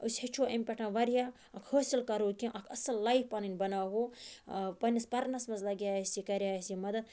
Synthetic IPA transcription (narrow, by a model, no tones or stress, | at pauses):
usʲhɐt͡ʃʰoːʔɐmʲpʲeʈʰãʋɐɾjaː | ɐkʰhoːsɐlkɐɾoːkʲĩʔɐkʰɐ̰sɐlːaifpɐninʲbɐnaːɦoː | pɐnʲːɐspɐɾnɐsmɐzlɐɡʲjaːɐsikɐɾʲjaːɐsimɐd̪ɐd̪